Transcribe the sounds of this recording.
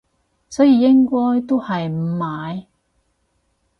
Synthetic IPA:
sɔː˨˥jiː˨˧jɪ˥ŋkɔː˥jt̪o˥whɐ˨jm̩˨˩maː˨˧j

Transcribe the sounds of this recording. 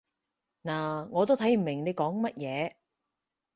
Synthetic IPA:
naː˨˩ŋɔː˨˧t̪o˥wt̪ʰɐ˨˥jm̩˨˩mɪ˨˩ŋne˨˧jkɔː˨˥ŋmɐ˥t̚jɛː˨˧

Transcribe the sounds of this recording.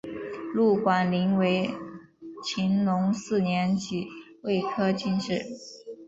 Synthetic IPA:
lu˥˩kwa˨˩nli˧˥nwe˧˥ɪ | t͡ɕʰi˧˥nlʊ˧˥ŋsɹ̩˥˩njɛ˧˥nt͡ɕʰi˨˩˦ | we˥˩ɪkʰɤ˥t͡ɕi˥˧nʈ͡ʂɻ̩˥˩

